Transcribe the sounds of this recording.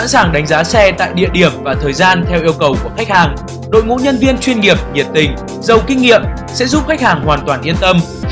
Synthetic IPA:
a̰˧˥nsaː˨˩ŋɗa˨˦ŋzaː˨˦sɛ˧t̪a̰ː˧˨jɗḭ˧˨əɗi˨˧˩əmvaː˨˩t̪ʰəː˨˩jzaː˧nt̪ʰɛ˧wʔi˧əwkə˨˩wku˧˩əxa˦˥k̟̚haː˨˩ŋ | ɗo̰˧˨jŋṵ˧˥ɲə˧nvi˧ənt͡ɕwi˧ənŋi˨˩əp̚ɲi˨˩ət̚t̪ï˨˩ŋ̟ | zə˨˩wkï˧ŋ̟ːḭ˧˨əm | sɛ̰˧˥zu˦˥p̚xa˦˥k̟̚haː˨˩ŋhwaː˨˩nt̪waː˨˩nʔi˧ənt̪ə˧m

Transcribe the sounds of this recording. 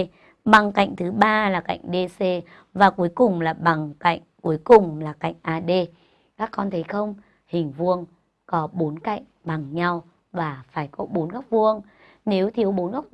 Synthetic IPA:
ɓa˨˩ŋka̰˧˨jŋ̟t̪ʰɨ˨˦ɓaː˧laː˨˩ka̰˧˨jŋ̟ɗe˧se˧ | vaː˨˩ku˨˦əjkʊ˨˩ŋ͡mlaː˨˩ɓa˨˩ŋka̰˧˨jŋ̟ku˨˦əjkʊ˨˩ŋ͡mlaː˨˩ka̰˧˨jŋ̟ʔaː˧ɗe˧ | kaː˦˥kːɔ˧nt̪ʰə˨˦jxə˧wŋ͡m | hï˨˩ŋ̟vu˧əŋ | kɔ˨˦ɓo˨˦nka̰˧˨jŋ̟ɓa˨˩ŋɲa˧w | vaː˨˩faː˧˩jkɔ˨˦ɓo˨˦nɣa˦˥wk͡p̚vu˧əŋ | ne˨˦wt̪ʰi˨˦əwɓo˨˦nɣa˦˥wk͡p̚

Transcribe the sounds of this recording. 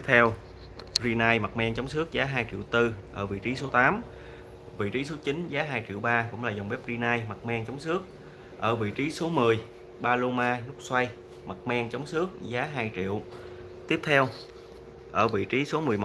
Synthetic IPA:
p̚t̪ʰɛ˧w | zi˧naː˧jma˨˩t̚mɛ˧ŋt͡ɕa˨˦wŋ͡msɨ˦˥ək̚zaː˨˦ɦaː˧jt͡ɕḭ˧˨əwt̪ɨ˧ʔəː˧˩vḭ˧˨t͡ɕi˨˦so˨˦t̪aː˨˦m | vḭ˧˨t͡ɕi˨˦so˨˦t͡ɕi˨˦nzaː˨˦ɦaː˧jt͡ɕḭ˧˨əwɓaː˧kʊ̰˧˥ŋ͡mlaː˨˩za˨˩wŋ͡mɓɛ˦˥p̚zi˧naː˧jma˨˩t̚mɛ˧ŋt͡ɕɔ˨˦wŋ͡msɨ˦˥ək̚ | ʔəː˧˩vḭ˧˨t͡ɕi˨˦so˨˦mɨ˨˩əj | ɓaː˧lo˧maː˧nʊ˦˥k͡p̚swa˧j | ma˨˩t̚mɛ˧ŋt͡ɕa˨˦wŋ͡msɨ˦˥ək̚zaː˨˦ɦaː˧jt͡ɕḭ˧˨əw | t̪i˦˥əp̚t̪ʰɛ˧w | ʔəː˧˩vḭ˧˨t͡ɕi˨˦so˨˦mɨ˨˩əjmo˨˩

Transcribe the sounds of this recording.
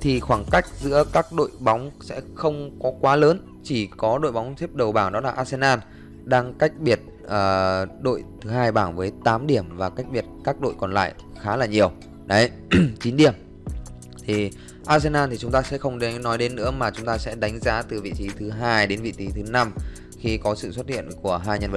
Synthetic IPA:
t̪ʰi˨˩xwaː˧˩ŋka˦˥jk̟̚zɨ̰˧˥əkaː˦˥k̚ɗo̰˧˨jɓa˨˦wŋ͡msɛ̰˧˥xə˧wŋ͡mkɔ˨˦kwaː˨˦ləː˨˦n | t͡ɕi˧˩kɔ˨˦ɗo̰˧˨jɓa˨˦wŋ͡mt̪ʰi˦˥əp̚ɗə˨˩wɓaː˧˩wɗɔ˨˦laː˨˩ʔaː˧se˧naː˧n | ɗaː˧ŋka˦˥jk̟̚ɓi˨˩ət̚ | ʔəː˨˩ɗo̰˧˨jt̪ʰɨ˨˦ɦaː˧jɓaː˧˩nvəː˨˦jt̪aː˨˦mɗi˧˩əmvaː˨˩ka˦˥jk̚ɓi˨˩ət̚kaː˦˥k̚ɗo̰˧˨jkɔ˨˩nla̰ː˧˨j | xaː˨˦laː˨˩ɲi˨˩əw | ɗə˨˦j | t͡ɕi˨˦nɗi˧˩əm | t̪ʰi˨˩ | ʔaː˧t̚se˧nʔaː˧nt̪i˨˩t͡ɕʊ˨˦ŋ͡mt̪aː˧sɛ̰˧˥xə˧wŋ͡mɗe˨˦nːɔ˨˦jɗe˨˦nːɨ̰˧˥əmaː˨˩t͡ɕʊ˨˦ŋ͡mt̪aː˧sɛ̰˧˥ɗa˨˦jŋ̟zaː˨˦t̪ɨ˨˩vḭ˧˨t͡ɕi˨˦t̪ʰɨ˨˦ɦaː˧jɗe˨˦nvḭ˧˨t̪i˨˦t̪ʰɨ˨˦na˧m | xi˧kɔ˨˦sɨ̰˧˨swə˦˥t̚hḭ˧˨ənku˧˩əɦaː˧jɲə˧nvə˧˨˩

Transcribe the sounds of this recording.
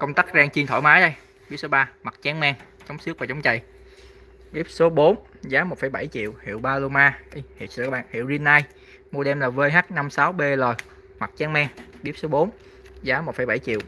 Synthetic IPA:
kə˧wŋ͡mt̪aː˦˥k̚zaː˧ŋt͡ɕi˧nt̪ʰo̰˧˩jmaː˨˦jɗə˧j | ɓi˦˥p̚so˨˦ɓaː˧ma˨˩k̚t͡ɕa˨˦ŋmɛː˧ŋ | t͡ɕə˨˦wŋ͡msɨ˦˥ək̚va˨˩t͡ɕa˨˦wŋ͡mt͡ɕa̰˧˨j | ɓi˦˥p̚so˨˦ɓo˨˦n | zaː˨˦mo˨˩t̚fə˧˩˦jɓa˧˩jt͡ɕḭ˧˨əwhḭ˧˨əwɓaː˧lo˧maː˧ɗi˧hḭ˧˩əsɨ̰˧˨kːɓa̰ː˧˨nhḭ˧˨wzi˧ənːaː˧j | mu˧ɗɛ˧mlaː˨˩vəː˧jɦaː˦˥k̚na˧msaː˨˦wɓe˧ləː˨˩ | ma˨˩t̚t͡ɕa˨˦ŋmɛ˧ŋɓi˦˥p̚so˨˦ɓo˨˦n | zaː˨˦mo˨˩t̚fə˧˩jɓa˧˩jt͡ɕḭ˧˨əw

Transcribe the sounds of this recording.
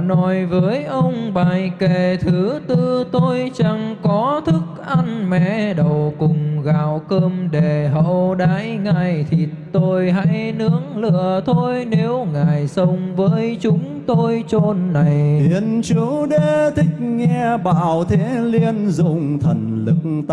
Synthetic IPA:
nɔ˨˦jvəː˨˦jʔə˧wŋ͡mɓaː˨˩jke˨˩t̪ʰɨ˨˦t̪ɨ˧t̪o˧jt͡ɕa˧ŋkɔ˨˦t̪ʰɨ˦˥k̚ʔa˧nmɛ̰˧˨ɗə˨˩wkʊ˨˩ŋ͡mɣaː˨˩wkəː˧mɗe˨˩ɦə̰˧˨wɗaː˨˦jŋa˧˩jt̪ʰi˨˩t̪o˧jɦa̰˧˥jnɨ˨˧˦əŋlɨ̰˧˨ət̪ʰo˧jne˨˦wŋaː˨˩jsə˧wŋ͡mvəː˨˦jt͡ɕʊ˨˦ŋ͡mt̪o˧jt͡ɕo˧nːa˨˩ji˨˦ənt͡ɕɨ˨˦ɗe˧˩t̪ʰï˦˥k̟̚ŋɛ˧ɓaː˧˨˩wt̪ʰe˨˦li˧ənzʊ̰˧˨ŋ͡mt̪ʰə˨˩nlɨ˨˩k̪̚

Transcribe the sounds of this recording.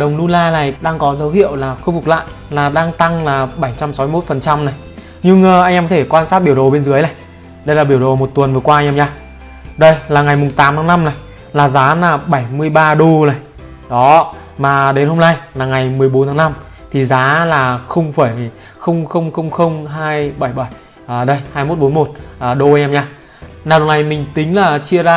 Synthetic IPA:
ɗə˨˩wŋ͡mnu˧laː˧la̰ː˨˩jɗaː˧ŋkɔ˨˦zə˨˦whḭ˧˨əwlaː˨˩xə˧wŋ͡m̚fʊ˨˩k̚la̰ː˧˨j | laː˨˩ɗaː˧ŋt̪a˧ŋlaː˨˩ɓa˧˩jt͡ɕa˧msa˨˦m˧˦˥t̚fə˨˩nt͡ɕa˧mna˨˩j | ɲɨ˧ŋː˧ʔa˧jŋʔɛː˧mkɔ˨˧t̪ʰe˧˩kwaː˧nsaː˦˥ɓi˧˩əwɗo˨˩ɓe˧nzɨ˨˦jna˨˩j | ɗə˧jlaː˨˩ɓi˧˩əwɗo˨˩mo˨˩t̚t̪wə˨˩nvɨ˨˩əkwaː˧jɲʔɛː˧mɲaː˧ | ɗə˧jlaː˨˩ŋa˨˩jmʊ˨˩ŋ͡mt̪aː˨˦mt̪ʰaː˨˦ŋna˧mna˨˩j | laː˨˩zaː˨˦laː˨˩ɓa˧˩jmɨ˧əjɓaː˧ɗo˧na˨˩j | ɗɔ˨˦˧ | maː˨˩ɗe˨˦nho˧mna˧jlaː˨˩ŋa˨˩jmɨ˨˩əjɓo˨˦t̪ʰːŋna˧m | t̪ʰi˨˩zaː˨˦laː˨˩xə˧wŋ͡mfaː˧˩j | xə˧wŋ͡mxə˧wŋ͡mxə˧wŋ͡mxə˧wŋ͡mɦaː˧jɓa˧˩jɓa˧˩j | ʔɗə˧jhaː˧jmo˦˥t̚ɓo˨˦nmo˨˩t̚ʔːɗo˧ʔa˧jɲʔɛ˧mɲaː˧ | naː˨wɗə˨˩na˨˩jmï˨˩ŋ̟t̪ï˨˦ŋ̟laː˨˩t͡ɕi˧əzaː˧

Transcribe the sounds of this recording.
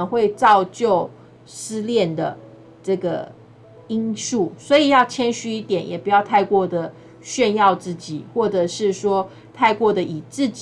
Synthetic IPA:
ŋxwe˥˧ɪt͡sɑ˥˧ʊt͡ɕjo˥˨˩ʊ | sɹ̩˥ljɛ˥˨nd̪ə̰˩ | ʈ͡ʂɤ˥˩ɡə̰˩ | i˥nsu˥˩swɔ˧˥i˨˩jɑ˥˩ʊt͡ɕʰjɛ˥nɕy˧˥i˥˩t̪jɛ˨˩njɛ̰˨˩pu˨˥jɑ˥˧ʊt̪ʰa˥˧ɪkwɔ˥˩d̪ə˩ | ɕɥɛ˥˧njɑ˥˧ʊt͡sɹ̩˥˩t͡ɕi˨˩˦xwɔ˥˩ʈ͡ʂɤ˨˩ʂɻ̩˥˩ʂwɔ˥ | t̪ʰa˥˧ɪkwɔ˥˩d̪ə˩ʔi˨˩t͡sɹ̩˥˩t͡ɕ

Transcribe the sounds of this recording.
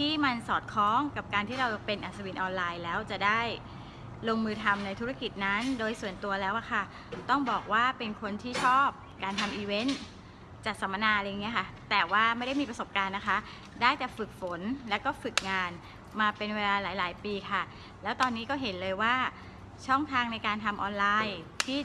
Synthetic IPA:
t̪ʰiː˥˩ma˧nsɔː˨˩t̪̚kʰɔː˦˥ŋka˨˩p̚kaː˧nt̪ʰiː˥˩ɾa˧wpe˧nʔa˨˩sa˧wi˧nʔɔː˧nlaː˧jlɛː˦˥wt͡ɕa˨˩daː˥˩j | loː˧ŋmɯː˧t̪ʰa˧mna˧jt̪ʰu˦˥a˥˩ki˨˩t̪̚na˦˥ndoː˧jsu˨˩ənt̪u˧ɐlɛː˦˥wʔa˨˩kʰa˥˩ | t̪ɔ˥˩ŋbɔː˨˩k̚waː˥˩pe˧nkʰo˧nt̪ʰiː˥˩t͡ɕʰɔː˥˩p̚kaː˧nt̪ʰa˧mʔiː˧we˦˥n | t͡ɕa˨˩t̪̚sa˩˦ma˧naː˧ʔla˧ja˨˩ŋːi˦˥ɐkʰa˥˩t̪ɛː˨˩waː˥˩ma˥˩jda˥˩miː˧pɾa˧so˨˩p̚kaː˧nːa˦˥kʰa˦˥ | daː˥˩jt͡ɕɛ˨˩fɯ˨˩k̚fo˩˦nlɛː˦˥wkɔː˥˩fɯ˨˩k̚ŋaː˧n | maː˧pe˧nweː˧laː˧laː˩˦jlaː˩˦jpiː˧kʰa˥˩ | lɛː˦˥wt̪ɔː˧nːiː˦˥kɔː˥˩ɦe˩˦nlɤː˧jwaː˥˩ | t͡ɕʰɔ˥˩ŋt̪ʰaː˧ŋna˧jkaː˧nt̪ʰa˧mʔɔː˧nlaː˧jt̪ʰiː˥˩

